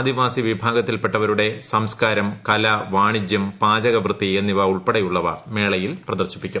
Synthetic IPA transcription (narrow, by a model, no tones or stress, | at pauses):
d̪iʋaːsiʋibʱaːɡɐt̪ːilpe̞ʈːɐʋɐɾuɽe̞sɐmskaːɾɐmkɐlɐʋaːɳid͡ʑjɐmpaːd͡ʑɐɣɐʋrɨt̪ːienːiʋɐuɭpeɽɐjuɭːɐʋɐ̰meːɭɐjilprɐd̪ɐrɕi̥pːikʲːum